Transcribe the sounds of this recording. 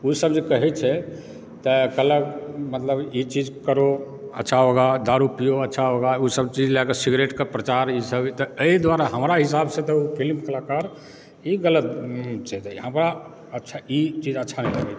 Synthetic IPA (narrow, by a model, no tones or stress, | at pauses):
usəbd͡ʒekəɦɛt͡ʃʰɛ | t̪əkələkmət̪ləbit͡ʃid͡ʒkəɾo | ə̰tːʃʰaɦoɡad̪aɾupijoətːʃʰaɦoɡausəbt͡ʃid͡ʒlakəsiɡɾeʈkəpɾət͡ʃaɾisəbt̪ɔeid̪waɾaɦəmɾaɦisabsẽt̪ɔupʰilmkəlakaɾ | iɡələt̪̚t͡ʃʰɛt̪ɦəmɾa | ətːt͡ʃʰait͡ʃid͡ʒətːʃʰanɛləɡɛ